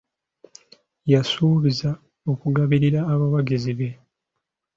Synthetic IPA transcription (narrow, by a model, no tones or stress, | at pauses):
jasuːβiza | o̞kuɡaβiɾiɾaːβawaɡiziβe̞